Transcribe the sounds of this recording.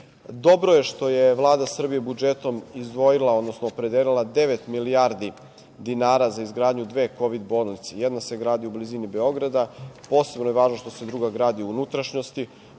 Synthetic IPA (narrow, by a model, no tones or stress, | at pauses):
d̪o̞bɾoje̞ʃt̪o̞jeʋlˠaːd̪asr̩bijebud͡ʒet̪o̞mizd̪ʋo̞jilˠaod̪no̞snoːpɾe̞d̪eːlilˠad̪e̞ʋet̪milijaɾd̪i | d̪inaːɾazaizɡɾaːd̪ɲud̪ʋe̞ːko̞ʋid̪bo̞ːlˠnit̪sejɛd̪nase̞ɡɾaːd̪iubliziːnibe̞o̞ɡɾad̪apo̞ːse̞bnojeʋaːʒno̞ʃt̪o̞se̞d̪ɾuɡaɡɾaːd̪iuunut̪ɾaʃɲo̞st̪i